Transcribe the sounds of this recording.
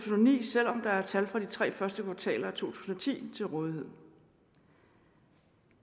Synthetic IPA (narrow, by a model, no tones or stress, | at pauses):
t͡sʰono̝nḭːsel̰ɒ̽md̥ɑ̈æɐt͡sʰælfʁɑ̈d̥it͡sʰʁɛ̰ːfɶɐsd̥əkʰʋɑ̈t͡sʰɛ̰ːlɐæt͡sʰo̝̰ːt͡sʰu̥̰ːsn̩ɒ̽t͡sʰḭːt͡sʰe̝lʁɔ̽ːðˠiɦe̝ð̞̰ˠ